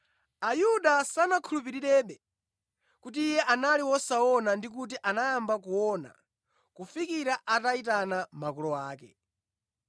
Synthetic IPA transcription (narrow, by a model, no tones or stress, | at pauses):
ajuɗasanakʰulup̬iɾiɗɛɓɛ | kut̬iːjɛʔanaliwɔsaɔnandik̬ut̬iʔanajambakuwɔna̰ | kufikiɾaʔataitanamakulɔwaːkɛ̰